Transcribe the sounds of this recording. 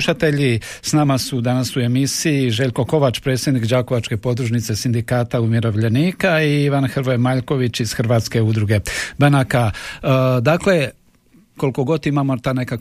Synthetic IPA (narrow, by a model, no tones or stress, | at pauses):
uʃat̪e̞ʎisnamasud̪anasue̞misiiʒe̞ʎʲko̞ko̞ʋat͡ʃpɾe̞ːt̪sʲje̞d̪nikd͡ʑaːkoʋat͡ʃke̞po̞d̪ɾuʒnit̪se̞sind̪ikaːt̪aumjeɾo̞ʋʎeniːkaiiʋanxrɾʋomaʎko̞ʋit͡ɕiz̥xɾʋaːt̪ske̞ud̪ɾuɡe̞banaka | d̪akle̞ | ko̞lko̞ɡo̞t̪imaːmot̪ane̞ka